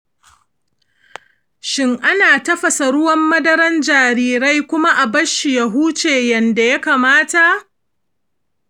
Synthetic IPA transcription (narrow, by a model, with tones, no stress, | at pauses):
ʃɪ˦ŋʔa˦naː˨tɐ˦ɸɐ˨sa˨ɽʊ˦wɐ˦mːɐ˦dɐ˦ɾɐ˦nd͡ʒaː˨ɾiː˦ɾa˦jkʷʊ˦ma˦ʔa˨bɐ˦ʃi˨ja˦ɦuː˦t͡ʃeː˨jɐ˨nda˨ja˦kaː˨maː˦ta˨ʔ